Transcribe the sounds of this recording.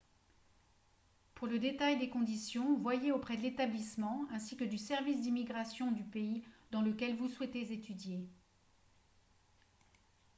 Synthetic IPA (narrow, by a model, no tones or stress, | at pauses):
puʁləd̪et̪ajd̪ekɔ̃d̪isjɔ̃vwajeopχɛd̪əlet̪ablismɑ̃ɛ̃sikəd̪ysɛʁvis̬d̪imiɡʁasjɔ̃d̪ypeid̪ɑ̃ləkʲɛlvuswɛt̪ezet̪yd̪je